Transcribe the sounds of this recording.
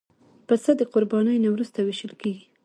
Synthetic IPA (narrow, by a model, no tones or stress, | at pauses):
pəsad̪əqʊɾbɑnəjnawɾust̪aweʃəlkeɡi